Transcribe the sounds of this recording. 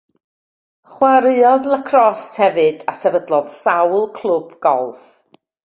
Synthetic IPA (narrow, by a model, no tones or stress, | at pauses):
χwaɾɨɔðlˠəkʰrɔshɛvɨdasɛvədlˠɔðsawlˠkʰl̥ˠʊb̥ɡ̥ɔlˠv